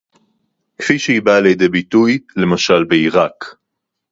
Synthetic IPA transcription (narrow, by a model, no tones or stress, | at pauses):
kfiʃeibaljed̪e̞bitujle̞maʃalbeiʁak